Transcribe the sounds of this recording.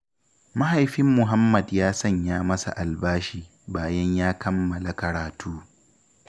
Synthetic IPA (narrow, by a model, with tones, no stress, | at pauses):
mɐ˦ha˨jɸɪ˦mːʊ˨ɦa˦mːɐ˨djaː˦sɐ˦ɲjaː˦mɐ˦sa̰˨ʔa˨lbaː˦ʃiː˦˨ | baː˨jɐ˦ɲjaː˦kʰɐ˦mːɐ˨la˨kɐ˨ɽaː˨tʰuː˦